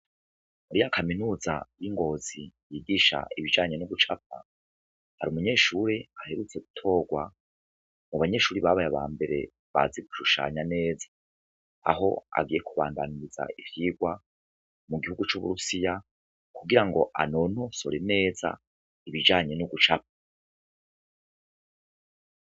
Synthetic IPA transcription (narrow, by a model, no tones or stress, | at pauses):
muɾijakʰaminuːza̰jiŋɡo̞ːzijiːɡiʃa̰ʔiβid͡ʒaːɲe̞nuɡut͡ʃapa̰ | haɾiumuɲe̞ːʃuːɾeahe̞ɾut͡seɡutʰo̞ːɡwa | muβaɲe̞ːʃuːɾiβaβajaβa̰ːmbe̞ɾe̞̰ | βa̰ziɡu̥ʃuʃa̰ːɲane̞ːzḁ | a̰ɦo̞̰a̰ɡije̞kʰuβaːndaniɾiza̰ifiɡwa | muɡihuɡut͡ʃuβṵɾusija | kuɡiɾaŋɡo̞ʔa̰nono̞so̞̰ɾe̞ne̞ːza̰ | iβid͡ʒaːɲe̞nuɡut͡ʃap̚ḁ